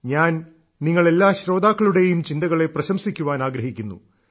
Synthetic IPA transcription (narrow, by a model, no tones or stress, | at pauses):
ɲaːn | niŋːɐɭe̞lːaːɕɾo̞ːd̪aːkːɐɭuɽe̞jumt͡ɕind̪ɐɣɐɭe̞prɐɕɐmsikʲːuʋaːnaːɡɾɐɦikʲːunːṵ